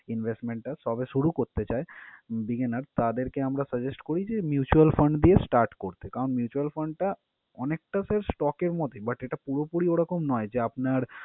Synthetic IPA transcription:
inbʱesʈmeɳʈːaʃɔbeʃuɽukoɾt̪et͡ɕaebiɡenaɾt̪ad̪eɾkeamɾasəd͡ʑesʈkoɾid͡ʑemjut͡ɕualfəɳɖd̪iesʈaɾʈkoɾt̪ekaɾonmjut͡ɕualfəɳɖ̚ʈa | ɔnek̚ʈaseɾsʈɔkeɾmɔt̪ebɐʈeʈapuɾopuɽioɽɔkomnɔed͡ʑeapnaɾ

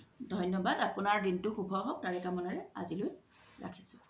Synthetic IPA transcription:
dʱɔjnjɔbadapʊnaɹdintʊxubʱɔɦɔk̚taɹɛkamɔnaɹɛa̰ziloj | ɹa̰kʰi̥sʊ̥

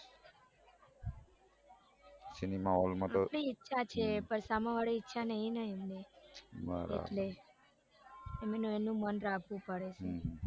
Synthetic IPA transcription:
sinimaɦolmãt̪oɽiːtːʃʰat͡ʃʰepəɾsaməʋaɭitːʃʰanəɦĩnəĩemnemə̰ɾḛʈle | emenũenũmənɾakʰʋũpəɽet͡ʃʰe

